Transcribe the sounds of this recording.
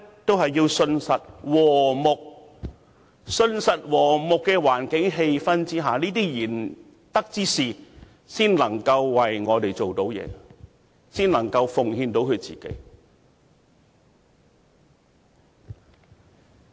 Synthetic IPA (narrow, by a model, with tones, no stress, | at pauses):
t̪o˥wɦɐ˨jːiː˧wsɵ˧nsɐ˨t̚wɔː˨˩mʊ˨k̚ | sɵ˧nsɐ˨t̚wɔː˨˩mʊ˨kːɛː˧waː˨˩nkɪ˨˥ŋɦe˧jfɐ˥nt͡siː˥ɦaː˨˩niː˥t̪̬iː˥jiː˨˩n | t̪ɐ˥k̚t͡siː˥siː˨˩ | siː˥nlɐ˨˩ŋkɐ˧wːɐ˨jŋɔː˨˧t̪e˨jt͡so˨wt̪o˨˥wjɛ̰ː˨˧ | siː˥nlɐ˨˩ŋkɐ˧wfʊ˨ŋhiː˧nt̪o˨˥wkʰɵ˨˧t͡sḭː˨kḛ˨˥j